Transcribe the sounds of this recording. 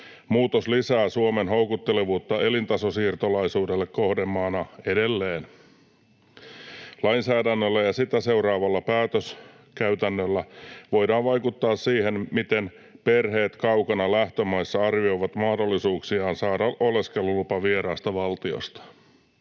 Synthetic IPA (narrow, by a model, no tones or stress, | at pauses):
muːt̪oslisæːsuomenɦo̞wkut̪ːeleʋuːt̪ːɑe̞lint̪ɑsosiːrt̪olɑisuːdelːekko̞hde̞mːɑːnɑe̞de̞lːeːn | lɑinsæːdænːølːæjɑsit̪æse̞uɾɑːʋɑlːɑpæːt̪øs | kæɥt̪ænːølːæʋo̞jdɑːnʋɑjkut̪ːɑːssiːhe̞nmit̪en | pe̞rɦe̞ːt̪kɑuwkɑnɑlæht̪ømɑjsːɑɑrʋio̞iʋɑt̪mɑhdo̞lːisuːksiɑːnsɑːdɑʔole̞skelːulupɑʋieɾɑːst̪ɑʋɑlt̪io̰st̪ɑ̥